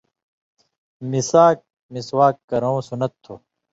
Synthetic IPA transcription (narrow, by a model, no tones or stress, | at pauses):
misaːk̚ | miswaːkːɐɾɐõsunɐt̪ʰːoː